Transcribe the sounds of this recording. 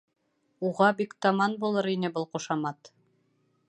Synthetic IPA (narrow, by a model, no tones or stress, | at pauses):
uʁɑbikt̪ɑmɑnbulˠɤɾinɘbɤlˠquʃɑmɑt̪